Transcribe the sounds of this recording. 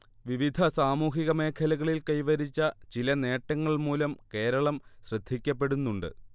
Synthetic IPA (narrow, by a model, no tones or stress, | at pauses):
ʋiʋid̪ʱɐsaːmuːɦiɣɐme̞ːkʰɐlɐɣɐɭilkɐjʋɐɾit͡ɕːɐt͡ɕilɐne̞ːʈːɐŋːɐɭmuːlɐmke̞ːɾɐɭɐmɕrɨd̪ʱːikʲːɐp̬ːe̞ɽunːuɳɖɨ̰